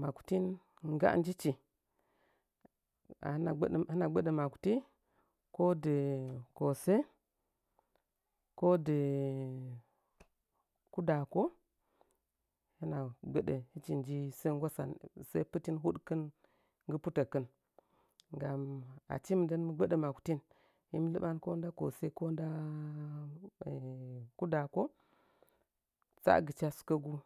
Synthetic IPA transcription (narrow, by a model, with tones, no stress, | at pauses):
ma˨ku̥˨ti˦n | ŋ˦ɡa̰˦n˦d͡ʒi˦t͡ʃi˨ | a̰˨˦a˨˦˨hi˦na˨ɡ͡bə˦ɗə˨ma˨ku̥˨ti˦ | ko˦də˨ko˨se˦ | ko˦də˨ | ku˦da˨ko˦ | hi˦na˨ɡ͡be˦ɗḛ˨hi˦t͡ʃi˨nd͡ʒi˦sə˦ɡʷa˦sa̰˨nsa˦pɨ˦ti˦nɦu˦ɗkə˦n | ŋɡɨ˦pu˦tə˨kə˦n | ŋɡa˨ma̰˨t͡ʃi˦m˨də˦nmə˦ɡ͡bə˦ɗe˨ma˨ku̥˨˦ti˦n | hi˦m˦lɨ˦ɓa˦nko˦n˦da˦ko̰˨se˦ko˦nda˦˨ | ku˦da˨ko˦ | t͡sa̰˦˨ɡə˨t͡ʃa˦su̥˦kə˦ɡu˦